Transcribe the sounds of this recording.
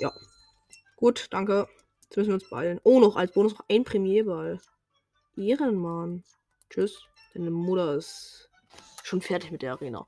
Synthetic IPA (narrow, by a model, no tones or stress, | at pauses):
ja̰ː | ɡ̥uːtd̥aŋkə | ɛsmʏsn̩viɐʊnsb̥a̰ɪlənʔoːnɔχa̰lsb̥oːnʊsnɔχʔaɪnpʁ̥ɛmjeːbal | ʔeːʁənman | t͡ʃʏs | d̥aɪnəmʊtɐɪst | ʃoːnfɛɐtɪçmɪt̚d̥eːɐaʁeːna̰ː